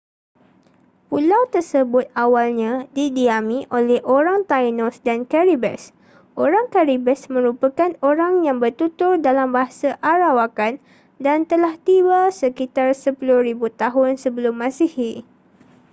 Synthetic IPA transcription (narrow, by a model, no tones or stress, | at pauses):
pulawt̪ərsəbʊt̪̚awalɲãdidiamĩʔolɛhʔoɾaŋt̪ajnɔsdankaɾibɛ̰s | ʔoɾaŋkaɾibɛsmə̃ɾupakanoɾaŋjaŋbərt̪ut̪ʊrdalambaɦasaʔaɾawakan | dant̪əlaht̪iwasəkit̪arsəpuluhɾibut̪aɦʊnsəbəlʊmːãsihi